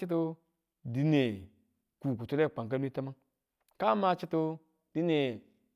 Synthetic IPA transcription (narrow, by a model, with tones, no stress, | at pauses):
i˦t̬o˦ | di˨ne˨ | ku˨ku˨to˦ɾe˦˨k͡pa˨ŋk̬a˦nu˦i˦ta˦ma˦ | ka˦ma˦t͡ʃi˦to˧ | d̥i˦ne˨